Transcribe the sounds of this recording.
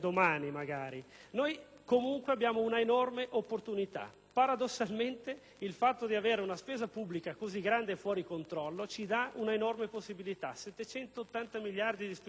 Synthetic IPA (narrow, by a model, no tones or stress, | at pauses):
d̪omaːnimaɡaːɾinoj | komuŋkweabːjaːmounaenɔrmeʔopːort̪unit̪a̰ | paɾad̪osːalment̪e | ilfat̪ːod̪iaveːɾeunaspeːzapubːlikakoziɡɾand̪efwɔːɾikont̪ɾɔlːot͡ʃid̪aunaenɔrmeposːibilit̪a̰sɛt̪ːet͡ʃɛnt̪oːt̪ːant̪amiljard̪id̪is